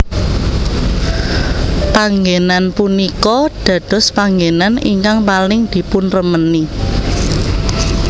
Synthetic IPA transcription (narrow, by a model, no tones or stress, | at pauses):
paŋɡenanpunikɔɖ̥ä̤d̪̥ɔ̤spaŋɡenanḭŋkaŋpalɪŋd̪̥i̤punrəməni